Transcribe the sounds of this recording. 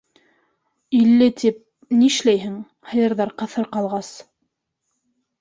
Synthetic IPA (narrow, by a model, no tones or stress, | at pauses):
ilːɘt̪ip̚ | niʃlæjɦɘŋ | hɤ̆jɤ̆ɾðɑɾqɤ̆θɤɾqɑlˠʁɑs